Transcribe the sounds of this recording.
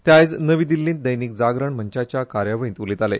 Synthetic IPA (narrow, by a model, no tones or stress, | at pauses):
t̪jajt͡snəʋid̪ilːĩːnt̪̚d̪əjniːk̚d͡zaɡɾəɳm̤əɲt͡ɕat͡ɕjakaɾjaʋəɭĩnt̪ulit̪ale